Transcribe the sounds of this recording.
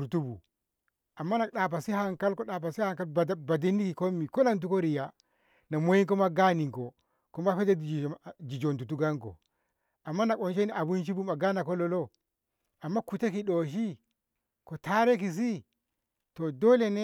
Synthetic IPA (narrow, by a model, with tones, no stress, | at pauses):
u˨ɾtu˦bṵ˨ | ʔa˨mːa˦na˨ɗa˨p̬a˨si˦ha˨ŋka˦lko˦ɗa˨p̬a˨si˦ha˦˨ŋka˦lba˨di˦nːi˦ki˨ko˦mːi˨ko˦na˦˨nt̬u˦ko˦ɾi˨ja˨ | na˨mo˦ji˦ŋko˦ma˦ɡa˦ni˨ŋko˨ | ko˦ma˦fe˦de˦d̬i˨d͡ʒi˨d͡ʒo˨ntu˨tu˦ɡa˦ŋko̰˨ | ʔa˨mːa˦na˨ko˨nʃe˦ni˦ʔa˨bu˦nʃ̬i˦bu˦ma˨ɡa˦na˨ko˦lo˦lo˦ | a˨mːa˦ku˨te˦ki˨ɗo˨ʃ̬i˦ | ko˨ta˦ɾe˦ki˨s̬i˦ | to˨do˦le˨ne˦